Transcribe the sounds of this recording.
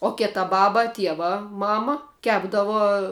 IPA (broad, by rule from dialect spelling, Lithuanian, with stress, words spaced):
oː ˈkʲæːtɐ ˈbɑːbɐ ˈtʲiɛʋɐ ˈmɑːmɐ ˈkʲæːbdɐʋoː